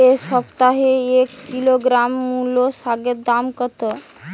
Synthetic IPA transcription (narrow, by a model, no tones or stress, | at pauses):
esəpt̪aɦeekːiloɡɾamːulosaɡet̪̚d̪amkət̪ə